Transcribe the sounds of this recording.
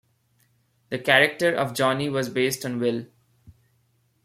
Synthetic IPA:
d̪əkæɾək̚ʈəɾɔ̰ʋd͡ʒɔːniʋɔːzbeːsʈɔ̃nʋɪl

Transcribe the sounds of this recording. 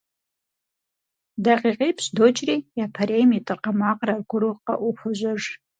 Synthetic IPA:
daqʼiqʲʼipʰɕdot͡ʃʰʼriapʰaɾejmitʼɨrqamaqʼrarɡʷʊruqʼa̰ʔuħʷʊʒʷaʐ

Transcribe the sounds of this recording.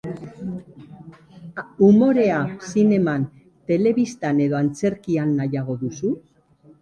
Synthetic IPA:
umo̞ɾe̞asine̞man | t̪e̞le̞βist̪ane̞ðo̞ant͡se̞ɾkianːajaɣ̞o̞ðusu

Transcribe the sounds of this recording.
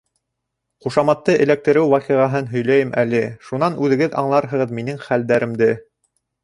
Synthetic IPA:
χuʃɑmɑt̪ːɤʔɘ̆læk̚t̪ɘ̆ɾɘwwɑqiʁɑɦɤnɦɵ̆jlæjɘmʔælɘʃunɑnʉðɘ̆ɡɘðɑ̰ɴlˠɑɾɦɤ̆ʁɤðminɘŋχæld̪æɾɘ̆md̪ɘ

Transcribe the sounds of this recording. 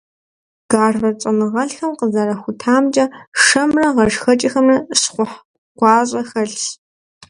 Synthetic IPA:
ɡ̥aːrvɐt͡ʃʼɐnɨʁɐɬxɐmqəzɐrɐxʷʊtʰaːmd͡ʒʼɐʂɐmrɐʁɐʒxɐt͡ʃʼixɐmrɐsχʷʊħ | qʷɑːɕʼɐxɐɬ

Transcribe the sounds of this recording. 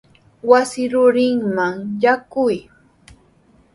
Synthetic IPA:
wasɪɾʊɾɪŋmaŋjakʊj

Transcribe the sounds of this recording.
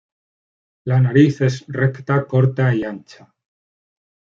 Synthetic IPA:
lanaɾiθe̞srekt̪ako̞ɾt̪aiant͡ʃa

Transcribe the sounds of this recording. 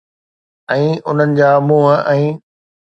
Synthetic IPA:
ɛ̃ːʊn̤ənɪ̆d͡ʑaːmũːɦəɛ̃ː

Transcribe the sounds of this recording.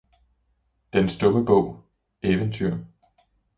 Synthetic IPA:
d̥ensd̥ɔ̽məb̥ɔ̰̽ʊ̰ | eʋənt͡sʰyɐ̰

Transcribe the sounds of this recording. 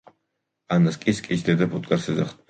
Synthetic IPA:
anːaskʼiskʼit͡ʃʰd̪ɛd̪apʰut̪ʼkʼaɾsɛzaχt̪̚ʰ

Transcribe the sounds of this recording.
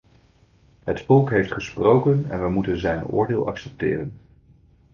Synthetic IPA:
ɦətfɔlˠkɦejftχəsprowkənɛ̰nʋəmutənzɛjnʊ̰ːɹdɪːlˠɑ̰ksɛp̚tɪ̰ːrən

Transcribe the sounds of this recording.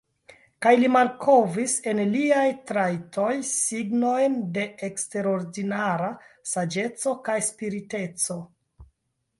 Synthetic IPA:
kajlimalkʰovise̞nliajtɾajtʰo̞jsiɡno̞jnde̞ekste̞ɾo̞ɾdinaɾasad͡ʒe̞t͡so̞kajspiɾite̞t͡so̞

